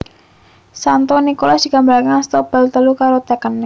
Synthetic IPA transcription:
sant̪ɔnikolasd̥iɡambaɾkanst̪ob̥alt̪əlukaɾot̪ɛkənːɪ

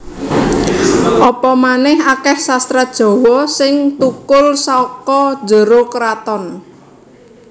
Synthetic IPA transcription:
ʔɔpɔmanɪhakɛhsast̪ɾad̥ʒ̥ɔ̤wɔsɪŋt̪ukʊlsɔkɔ̥d͡ʒə̤ɾokɾat̪ɔn

